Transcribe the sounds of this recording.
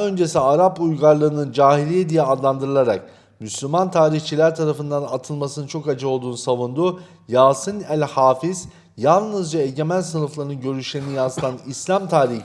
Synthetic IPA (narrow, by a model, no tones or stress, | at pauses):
ø̞nd͡ʒe̞siaɾapujɡaɾlˠɯɯnɯnd͡ʒaːɦilʲijed̪ijɛad̪lˠand̪ɯɾɯlˠaɾa̰k̚ | myslʲymant̪ʰaːɾiçt͡ʃʰilʲæɾt̪ʰaɾafɯnd̪anat̪ʰɯlˠmasɯnɯnt͡ʃʰo̞kad͡ʒɯo̞lˠd̪uːnusavund̪u | jaːsɯnælʲhaːfiz̥ | jalˠnɯzd͡ʒaeɟe̞mænsɯnɯflˠaɾɯnɯnɟø̞ɾyʃlʲeɾinijanzt̪ʰanislʲamt̪ʰaːɾiç